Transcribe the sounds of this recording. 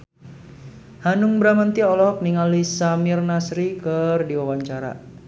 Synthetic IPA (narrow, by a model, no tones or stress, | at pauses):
hanʊŋbɾamənt̪iɔlɔɔk̚niŋalisamirnasɾikərdiwawaɲt͡ʃaɾa̰